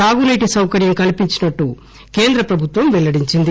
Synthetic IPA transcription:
aːɡunɐjʈisɐwkɐɾjɐmkɐlipiɲt͡ʃinɐʈːu | keːnd̪ɾɐpɾɐbʱut̪ʋɐmʋɛlːɐɽiɲt͡ʃind̪i

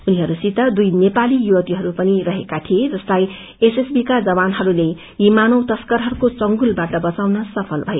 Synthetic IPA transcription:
uniɦʌɾusit̪ʌd̪ujnepalijuwʌt̪iɦʌɾupʌniɾʌɦekat̪ʰied͡zʌstlaj | esesbikad͡zʌbanɦʌɾule | jimanʌwt̪ʌskʌrɦʌrukot͡sʌŋɡulbaʈʌbʌt͡sawnʌsʌpʰʌlbʱʌje

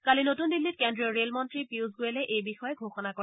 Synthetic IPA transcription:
kalinotundilːit̚kendɹiɔɹelmɔntɹipiuzɡoɛlɛʔejbixɔjɛɡʱoxɔnakɔ

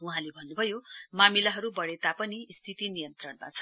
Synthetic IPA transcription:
uɦãlebʱʌnːubʱʌjomamilaɦʌɾubʌɽet̪apʌnist̪ʰit̪inijʌnt̪rʌɽma̰t͡sʰʌn

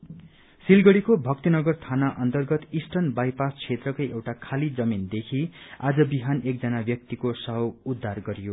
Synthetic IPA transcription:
silɡʌɽikobʱʌk̚t̪inʌɡʌrt̪ʰanaʔʌnt̪ʌrɡʌt̪isʈʌnbajpast͡sʰet̪rʌkojewʈakʰalid͡zʌmind̪ekʰia̰d͡zʌbiɦanek̚d͡zʌnabjʌk̚t̪ikosʌɦʌwud̪ʱːarɡʌɾijo

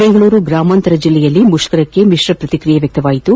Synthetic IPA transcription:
beŋɡɐɭuːɾuɡɾaːmaːnt̪ɐɾɐd͡ʒilːɛjɐlːimuʂkɐɾɐkːe̞miʂɾɐpɾɐt̪ikɾijɐʋjɐk̚t̪ɐʋaːjit̪u

